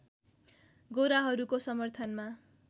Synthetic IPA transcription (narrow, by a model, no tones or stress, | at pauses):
ɡoɾaɦʌɾukosʌmʌrt̪ʰʌnma